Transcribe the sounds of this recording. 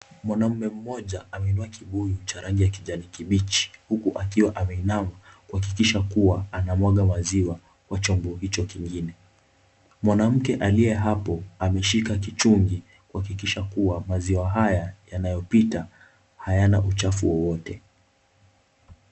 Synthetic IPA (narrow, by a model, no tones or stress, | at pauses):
mwanam̩mɛm̩mɔʄaamɛinduakʰiɓujut͡ʃaɾaŋɡijakiʄanikiɓit͡ʃi̥hukuʔakiwaʔamɛinamakuhak̬ikiʃakuwaanamwaɠamaziwa | kwat͡ʃɔmbɔhit͡ʃɔkiŋɡinɛ | mwanam̩kɛʔalijɛɦapɔamɛʃikakit͡ʃuŋɡi | kuhakikiʃakuamaziwaɦajajanajɔpita | hajanaʔut͡ʃafuwɔwɔtɛ